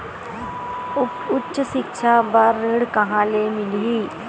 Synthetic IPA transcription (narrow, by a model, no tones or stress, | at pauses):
ʊtːʃʃɪkʃʰabaːɾːeɽkɐɦãːlemɪliː